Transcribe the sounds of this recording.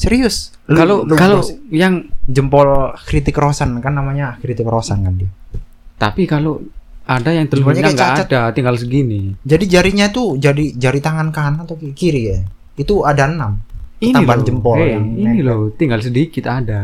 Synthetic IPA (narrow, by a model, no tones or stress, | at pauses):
səɾiʊs | lalolukalojaŋd͡ʒəmpɔlkɾit̪ɪkɾosankanːamaɲakɾit̪ɪkrosankandia | t̪a̰pikaloadajaŋt̪əluaɲaaŋɡɡaːatdat̪iŋɡalsəɡinid͡ʒadid͡ʒaɾiɲat̪ud͡ʒadid͡ʒaɾit̪aŋankanat̪akikiɾi | it̪uadaənamkinaibaand͡ʒəmpɔɛianilot̪iŋɡals̬ədikɪt̪ada